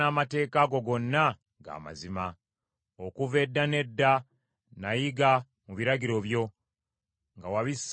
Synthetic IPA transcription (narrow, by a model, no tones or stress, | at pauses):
aːmate̞ːkaɡo̞ɡo̞nːa | ɡa̰ːma̰zima | okuve̞dːane̞dːa | najiɡa | muβiɾaɡiɾo̞βjo̞ | ŋɡawaβis